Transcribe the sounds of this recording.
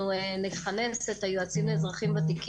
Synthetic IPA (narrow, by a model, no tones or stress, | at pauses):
ueniχaneset̪ajuat͡sinuezʁaχimbat̪ik